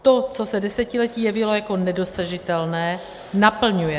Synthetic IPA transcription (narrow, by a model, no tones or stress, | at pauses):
t̪ot͡so̞sɛdɛsɛcɪlɛciːjɛvɪlo̞jako̞nɛdo̞saʒɪt̪ɛlnɛː | napl̩ɲujɛ